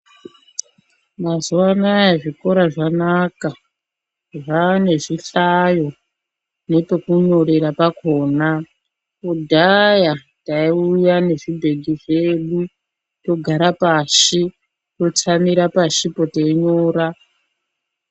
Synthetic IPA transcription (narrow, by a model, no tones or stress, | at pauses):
mazuwanajaʐiko̞ɾaʐanaka | ʐane̞ʐiɬajo̞ | ne̞pe̞kuɲo̞ɾeɾapakoːna | udʱaja | taiujane̞ʐibʱe̞ɡʱiʐe̞ɗu | to̞ɡʱaɾapaʃi | to̞t͡samiɾapaʃipo̞teiɲoːɾa